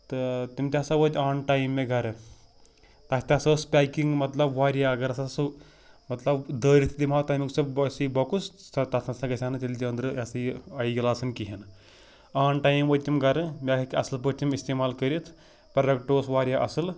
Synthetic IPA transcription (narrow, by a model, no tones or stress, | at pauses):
t̪ɨt̪imt̪ʲasɐʋəd͡ʒ̪ʲaːnʈaːjimːeɡʱɐɾ | t̪ɐsʲt̪ʲasɐːspʲaːkiŋɡmɐt̪lɐbʋaːɾijaːɐɡɐɾɐsasɨ | mɐt̪lɐbd̪əːɾit̪ʰd̪imaːt̪ɐmiksɐbɐsiboːkussɐt̪ɐt̪ʰɐnsɐɡɐsʲaːnɨt͡ʃ̪ilʲd͡ʒiɐnd̪ɾɨɐsɐɐjiɡɐlaːsɐnkiɦin | aːnʈaːjimʋəːd̪̚ʲt̪imɡɐɾmʲakɐkʲiɐsɨlpət̪ʲimist̪eːmaːlkəɾit̪ʰ | pɾɐɾɐkʈoːsʋaːɾʲjaːʔɐsɨl